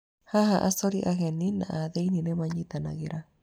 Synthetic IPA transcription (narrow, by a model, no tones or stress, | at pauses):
haɦaʔasoɾiʔaɣeninã̰ʔaðeinĩnemaɲit̪ana̰ɣeɾʔa